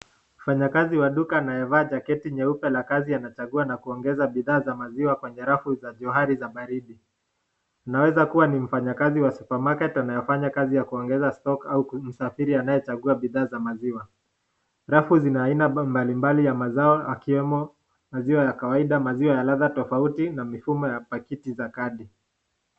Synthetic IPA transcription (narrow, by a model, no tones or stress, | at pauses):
m̩faɲakaziwaɗukaːnajɛvaːd͡ʒakɛtiɲɛupɛlakazianat͡ʃaɠuanakuɔŋɡɛzaɓiðaːzamaziwakwɛɲɛɾafuzaʄɔɦaɾizaɓaɾiɗi | anawɛzakuwanim̩faɲakaziwasu̥pamakɛtanajɔfaɲakazijakuɔŋɡɛzastɔkaum̩safiɾianajɛt͡ʃaɠuaɓiðaːzamaziwa | ɾafuzinaːinambalimbalijamazaɔakiwɛmɔ | maziwajakawaiɗamaziwajalaðatɔfautinamifumɔjapakitizakaɗi